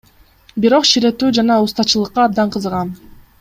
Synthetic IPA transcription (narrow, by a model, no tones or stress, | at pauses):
biɾo̞qʃiɾe̞t̪yːd͡ʒɑnɑust̪ɑt͡ʃɯlˠɯqːɑːb̚d̪ɑɴqʰɯzəʁɑn